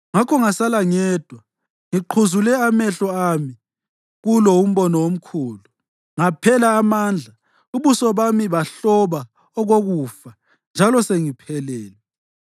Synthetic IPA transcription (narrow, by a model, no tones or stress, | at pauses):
ŋakʰɔŋasalaŋɛːd̥ʱwa | ŋiǃʰuzulɛamɛɬɔami | ɣulɔum̩βɔnɔwom̩kʰuːlu | ŋapʰɛlaːmaːnd͡ɮʱa | uβusɔβamiβaɬɔβa | ɔɣoɣufa | nd͡ʒʱalɔseŋipʰɛlɛːlɛ